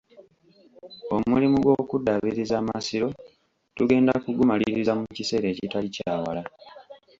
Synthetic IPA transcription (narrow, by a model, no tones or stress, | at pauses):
o̞mulimuɡwo̞kudːaβiɾizaːmasiɾo̞ | tuɡe̞ːndakuɡumaliɾizamucise̞ːɾe̞ːcitalicaːwa̰la